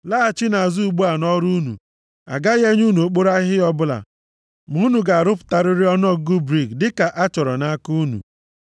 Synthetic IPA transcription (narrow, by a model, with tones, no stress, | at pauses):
laː˦˨t͡ʃi˦na˨a˨zu˦u˨ɡ͡bu˦a˨nɔ˦ɾu˦nṵ˨ | a̰˨ɡa˦ɣe˦ɲ˦u˦nu˨o˨k͡po˦ɾa˦ɦɪ˦ɔ˦bʊ˦la̰˨ | mu˨˦nu˨ɡa˨a˨ɾʊ˦p̬ʊ̥˨ta˨ɾɪ˦ɾɪ˦ɔ˦n˦ɔ˦ɡʊ˦bɾi˨ɡdɪ˦ka˨ʔa˦t͡ʃɔ˨ɾɔ̰˨na˦ku˦nṵ˨